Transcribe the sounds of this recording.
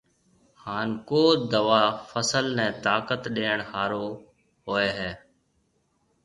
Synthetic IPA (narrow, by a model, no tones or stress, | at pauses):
haːnkoːd̪əʋaːfəsəlnɛ̃ːt̪aːkət̪ɗeːəɳhaːɾoː | ɦoːeːɦɛː